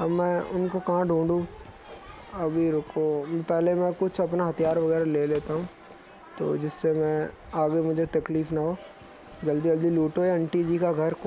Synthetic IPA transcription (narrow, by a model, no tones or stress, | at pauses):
ɐmːɛ̃ʊnkokɐɦãɖʱũːɳɖũ | ɐbʱiɾokopɛɦlemɛ̃kʊt͡ʃʰɐpnaɦɐt̪ijaːɾʋɐɣɛːɾaleːleːt̪aɦũː | t̪o̰ːd͡ʒɪsːemɛ̃ | aːɡemʊd͡ʒʱet̪ɐkliːfnaɦoː | d͡ʒɐld̪id͡ʒɐld̪iluːʈoeɐ̃ɳʈid͡ʒikaɡʱɐɾkː